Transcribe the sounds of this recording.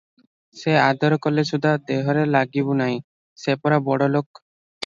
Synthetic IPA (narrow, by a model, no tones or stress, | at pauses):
sead̪ɔɾɔkɔleʃud̪ʱad̪eɦɔɾelaɡibunaj̃ | sepɔɾabɔɽolok